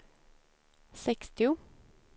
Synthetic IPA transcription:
sɛkst̪ɪʊ

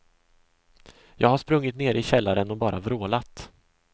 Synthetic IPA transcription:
jɑːɡhaʂpɾɵŋːɪt̪neːɾɪɕɛlːaɾənɔbɑːɾʔavɾoːlat̪

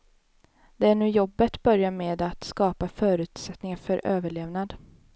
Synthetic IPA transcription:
d̪̥ɛæɳʉ̟ːjɔbːət̪bœɾjameːd̪at̪skɑːpafœːɾʉ̟ːt̪sɛt̪nɪŋafœɾøːvəɭeːvnad̪

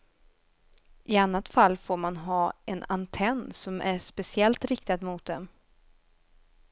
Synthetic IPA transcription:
ʔɪanːat̪falːfoːɾmanɦɑːɛna̰nt̪ʰɛnːsɔmʔæʂpɛsɪɛlt̪ɾɪk̚t̪ad̪mʊt̪̚d̪ɛm

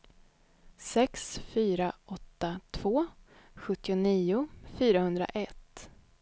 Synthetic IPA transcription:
sɛksfyːɾaʔɔt̪ːat̪ʰv̥oː | ɧɵt̪ːɪʊniːʊfyːɾahɵnd̪ɾa̰ʔɛt̪ː

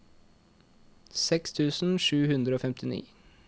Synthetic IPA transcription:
sɛkst̪ʰʉːsn̩ʂʉːhʉnd̪ɾəoːfɛmt̪ʰɪnḭː

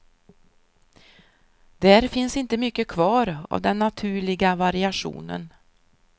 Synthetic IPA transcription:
d̪̥æɾfɪnsɪnt̪əmʏkːəkʰvɑːɾa̰vd̪ɛnːat̪ʰʉ̟ːɭɪɡavaɾɪaʂṵːnə̰n

